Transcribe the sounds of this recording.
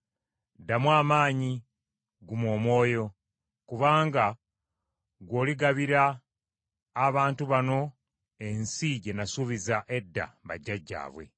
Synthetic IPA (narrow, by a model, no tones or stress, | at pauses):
damwaːmaːɲi | ɡumo̞ːmwo̞ːjo̞ | kuβaːŋɡa | ɡwo̞ːliɡaβiɾa | βaːntuβano̞ | e̞nsiɟe̞nasuβizaʔe̞dːa̰βa̰ɟːaɟːa̰ːβwe̞̰